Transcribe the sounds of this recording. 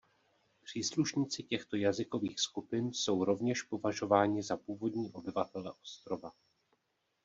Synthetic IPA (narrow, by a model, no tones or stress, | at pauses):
pr̝̥iːsluʃɲiːt͡sɪcɛxt̪o̞jazɪko̞viːxskupɪnso̞wɾo̞vɲɛʃpo̞vaʒo̞vaːɲɪzapuːvo̞dɲiːʔo̞bɪvat̪ɛlɛʔo̞st̪ɾo̞va